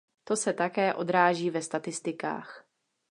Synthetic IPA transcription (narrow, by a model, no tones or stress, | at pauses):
t̪o̞sɛt̪akɛːʔo̞d̪ɾaːʒiːvɛst̪at̪ɪst̪ɪka̰ːx